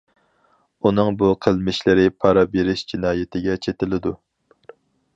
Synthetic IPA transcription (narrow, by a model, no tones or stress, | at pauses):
unɨŋbuqʰəlˠmɪʃlɪɾɪpʰɑɾɑbeɾɪʃd͡ʒinɑːjɪt̪ʰɪɡʲɛt͡ʃʰet̪ɪlɪd̪u